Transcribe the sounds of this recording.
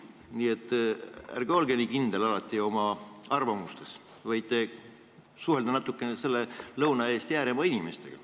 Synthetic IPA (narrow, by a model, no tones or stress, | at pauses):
nie̞t̪ːˑæ̰rɡeolɡenʲikind̪e̞lɑlɑt̪ːˑio̞mɑɑrvɑmust̪e̞s | vɑjt̪ːˑe̞ | suɦe̞ld̪ɑnɑt̪ːˑukːˑenese̞lːelɤwnɑe̞ːst̪jæːɾemɑinʲime̞st̪e̞̰ɡ̥ɑ